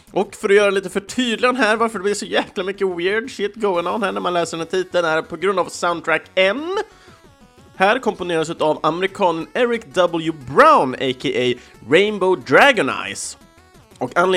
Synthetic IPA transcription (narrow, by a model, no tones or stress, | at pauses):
ʔɔkfœɾɔjœːɾaliːt̪əfœʈʰyːd̪lɪɔnɦæːɾvaɾfəɖɛblɪʂɔjæːklamʏkːəwɪɾɖʂɪt̪ːɡoʊɪŋɔnhæːɳæɾmanlɛːsəɾɖɛnæʈ̪ʰiːt̪ːəlnæɾpʰɔɡɾɵnd̪avsaʊnt̪ʰɾækɛn | hæːɾkʰɔmpʊneːɾas̬ʉ̟ːt̪avamɛɾɪkʰɑːnənɛɾɪkd̪ɑbəljʊbɾaʊnekʰeʔe | ɾɛɪnboʊd̪ɾæɡɔna̰ɪs | ɔkanl